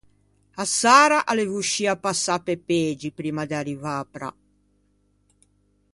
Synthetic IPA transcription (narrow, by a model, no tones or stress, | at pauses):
asaːɾaʔalevuʃːiːapːasːapːepeːd͡ʒipɾiːmad̪earivapɾa̰